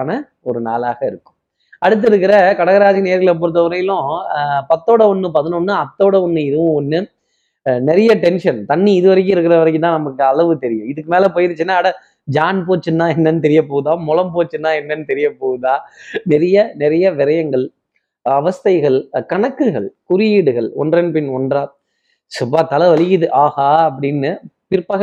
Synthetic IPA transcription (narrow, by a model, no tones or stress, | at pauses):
nɐ | ɔɾɯna̰ːlaːɣɐɪɾɯkːɯ̥m | ɐɽɯt̪̬ːɪɾɯk̬ːɪɾɐkɐɽɐɣɐɾaːðineːɾɣɐɭɐp̬oːɾɯt̪ːɐʋɐɾɐjɪlʊ̃pɐt̪ːoːɽɐɔnːɯpɐðɐnɔnːɯɐt̪ːoːɽɐɔnːɯɪɾɯʋʊ̃ɔnːɯ | nɛɾɐjɐʈɛnʂɐnt̪ɐɳːiɪðɯʋɐɾɐk̬ːɯ̃ɪɾɯkːɪɾɐʋɐɾɐkːɯnãːnɐmɐkːɯɐɭɐʋɯt̪ɛɾɪjʊ̃ɪðɯkːɯmeːlɐpoːjɪɾɯt͡ʃːɯnːaːɐɽɐ | d͡ʒaːnpoːt͡ʃːɯnːaːɛnːɐnːɯt̪̬ɛɾɪjɐp̬oːɣɯðaːmɔlɐmpoːt͡ʃːɯnːaːɛnːɐnːɯt̪ɛɾɪjɐpoːɣɯðãːnɪɾɐjɐnɪɾɐjɐʋɪɾɐjɐŋɡɐɭ | ɐʋɐst̪ɐɪɣɐɭkɐɳɐkːɯɣɐɭkʊɾɪjiːɽɯɣɐɭɔ̰ndrɐnpɪnɔndraː | sʊbaːt̪ɐlɐʋɐlɪjɪðɯʔaːɣaːɐp̬ːɐɽɪnːɯpɪɾpːɐɣ